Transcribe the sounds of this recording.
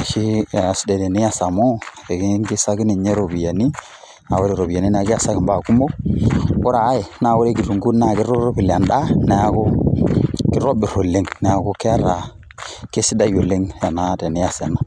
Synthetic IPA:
a˨ʃi˦˨a˨sde˨de˨ni˦ja˦sa˨mo˦˨e˨ɡi˦ŋɡi˦sa˦ɡi˦ni˨ɲe˦ɾo˨bi˨ja˨ni˦ | na˨wo˦ɾi˨ɾo˨bi˨ja˨ni˦n˦a˨ɡa˨sa˦ɡi˨mba˦˨ku˦mbo˦ko˦ɾaː˨˦je˨na˦˨wo˦ɾe˦ɡi˨ɾu˨ŋɡu˦na˨ɡi˦ɾo˦ɾo˦bi˨la˨nɗa˦na˨ja˦ɡo˦ | ki˦ɾo˦bi˨ɾo˨lːi˦ŋna˨a˨ɡo˦ke˦a˦ɾa˨ | ke˦si˦da˦ju˨lːi˦ŋja˨na˦de˨ni˦ja˦˨se˨na˨

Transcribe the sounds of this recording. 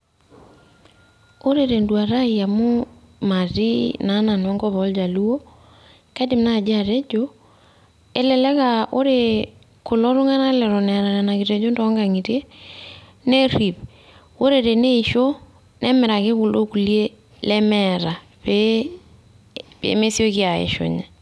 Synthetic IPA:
o˦ɾe˨ɾe˨ndwa˨ɾa˦ia˨mʊ˦ | ma˨ti˦na˨˦na˨n˨a˦ŋɡɔ˦βɔ˨˦ld͡ʒa˨lu˦o˦ | kɛ˦dɪ˨mna˦˨d͡ʒa˨te˦d͡ʒo˦ | e˦lɛ˨lɛ˦ka˨o˦ɾe˨ | kʊ˨lɔ˦ɾʊ˦ŋa˦na˦lɛ˨ɾɔ˨nɛ˨ɾa˨na˨na˨kɪ˨te˨d͡ʒo˦ntɔ˦ŋɡa˨ŋi˨te˦ | ne˦ri˨p | o˦ɾe˨ɾe˨ne˦iʃo˦ | nɛ˦mɛ˨ɾa˨kɪ˦kʊ˨lʔo˦ku˨lje˦ | lɛ˦mɛ˨ɾa˨ | pe | pḛ˨me˦sjo˦kɪ˦a˨ḛ˨ʃo̰˨ɲa˨

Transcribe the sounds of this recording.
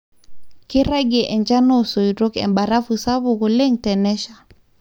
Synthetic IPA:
ki˦ɾa˦ɡe˨ʔɛ˨nt͡ʃa˦no˦so˨jɾo˦kɛ̰˨mba˨ɾa˦fu˨sa˦βu˨ku˨le˦ŋtɛ˨nɛ˦ʃa˨

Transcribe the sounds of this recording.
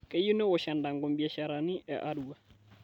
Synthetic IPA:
kʼɛ˦ju˦nɛ˦wɔ˨ʃa˨nda˨ŋɡo˨mbia˨ʃa˨ɾa˨ni˦ʔɛ̰˨ʔa˦du˨wa˨

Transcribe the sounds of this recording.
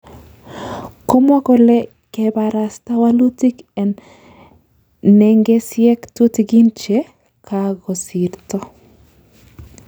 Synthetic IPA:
ko˦mwɔ˦kɔ˨lɛ˦ | kɛba˨ɾa˨sta˦wa˦lu˦ti˦kɛ˨n | nɛ˨ŋɡe˦sjɛ˦ktu˦tɡi˦nt͡ʃɛ˦ | kaɡɔ˨si˨rt̪ɔ˦

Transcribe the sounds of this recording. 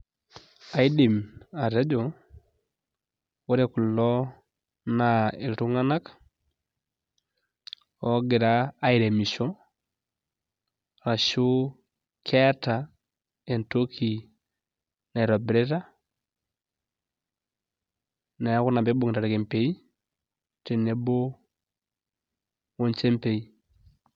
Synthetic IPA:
a˨i˦di˨ma˨ɾe˦d͡ʒɔ˨ | o˦ɾe˨kʊ˨lɔ˦ | na˨e˨ltu˦ŋa˦na˦k | ɔ˨˦ɡɪ˨ɾaː˦i˨ɾe˨mi˨ʃɔ˦ | ɾa˨ʃu˦ | kʰɛ˦ta˨ | e˨nto˦kʰi˨ | na˨ɛ˨ɾɔ˨bɾe˦ta˦ | na˨ja˦ko˦na˨mbe˦bo˨ŋe˨ta˨ɾe˨ke˨mpe˨i˦ | te˨ne˦bo˦ | wo˦ɲt͡ʃe˦mpe˨i˦

